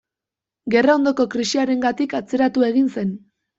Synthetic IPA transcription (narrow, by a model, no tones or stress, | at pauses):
ɡe̞rao̞nd̪o̞ko̞kɾisiaɾe̞ŋɡat̪ikat͡se̞ɾat̪ue̞ɣ̞inse̞n